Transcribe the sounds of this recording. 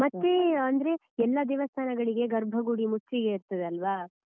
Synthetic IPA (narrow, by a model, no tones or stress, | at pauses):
mɐt̪ːeɐnd̪ɐɾe̞ | ɛlːɐd̪iʋɐst̪ʰaːnɐɡɐɭiɡe̞ɡɐɾbʱɐɡuɽimut͡ʃːiɡeiɾt̪ɐd̪eɐlʋa